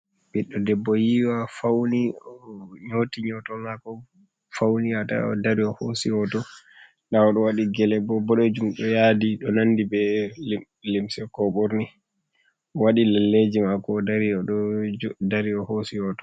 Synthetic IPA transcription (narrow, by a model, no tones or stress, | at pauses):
biɗːɔdɛbːɔjiwafawni | ɲotiɲɔtɔmakɔ | fawniata̰ɔ̰daɾiɔhosijɔtɔ | naɔɗɔwaɗiɡɛlɛbɔbɔɗɔd͡ʒumɗɔjadiɗɔnanːdibɛ | limsɛkɔɓoɾni | waɗilɛlːed͡ʒimakɔːdaɾiɔɗɔdaɾiɔhosiɔtɔ̥